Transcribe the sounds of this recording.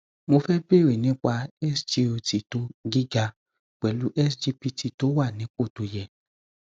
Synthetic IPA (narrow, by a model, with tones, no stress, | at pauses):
mo˧fɛ˦be˦˨ɾe˨nĩ˨˦k͡pa˧ɛ˦sd͡ʒe˧o˧ti˨to˦ɡi˦ɡa˧ | k͡pɛ˨lu˨˦ʔɛ˦sd͡ʒi˧pi˧ti˧to˨˦wa˦˨nĩ˨˦k͡po˦˨to˧jɛ˧